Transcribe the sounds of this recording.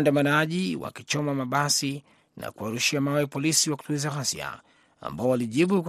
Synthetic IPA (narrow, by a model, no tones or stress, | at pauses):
ndamanaʄiwa̰kit͡ʃɔmamaɓasi | na̰kuaɾuʃiamawɛpɔlisiwaku̥tuizahasia̰ | a̰mbaɔwaliʄiɓuk